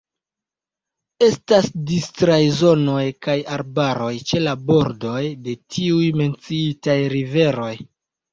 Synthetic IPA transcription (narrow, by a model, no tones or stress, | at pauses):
e̞stasdistɾajzo̞no̞jkajaɾbaɾo̞jt͡ʃe̞labo̞ɾdo̞jde̞tʰiujme̞nt͡siitajɾive̞ɾo̞j